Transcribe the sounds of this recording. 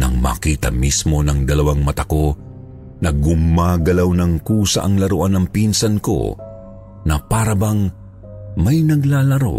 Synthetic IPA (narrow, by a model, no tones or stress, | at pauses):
nɐ̰ŋma̰ːkiːt̪ɐ̰mismo̞nɐŋd̪ɐlɐwaŋmɐt̪ɐko̞ | nɐɡʊmaːɡɐlawnɐŋkuːsɐ̰ʔɐŋlɐɾoʔanɐŋpinsɐnko̞̰ | nɐpaːɾɐbɐŋ | mɐjnɐɡlaːlɐɾo̞̰